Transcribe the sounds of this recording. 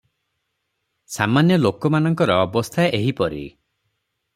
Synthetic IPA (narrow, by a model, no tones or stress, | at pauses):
samanjɔlokɔmanɔŋkɔɾɔɔbɔst̪ʰaʔeɦipɔɾḭ